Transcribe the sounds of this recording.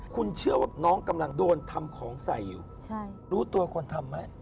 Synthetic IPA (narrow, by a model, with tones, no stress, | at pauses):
kʰu˧nt͡ɕʰɯ˥˩ɐwaː˦˥˩nɔː˦˥ŋka˧mla˧ŋdoː˧nt̪ʰa˧mkʰɔː˩˦ŋsa˨˩˦ji˨˩w | t͡ɕʰa˥˩ɾuː˦˥t̪u˧ɐkʰo˧nt̪ʰa˧mːa˦˥˩k